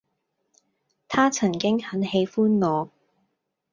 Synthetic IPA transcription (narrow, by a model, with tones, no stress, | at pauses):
t̪ʰaː˥t͡sʰɐ˨˩ŋkɪ˥ŋhɐ˨˥nhe˨˧jfuː˥nŋɔː˨˧